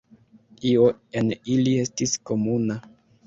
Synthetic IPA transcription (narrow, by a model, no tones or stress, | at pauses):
io̞e̞nilie̞stisko̞muna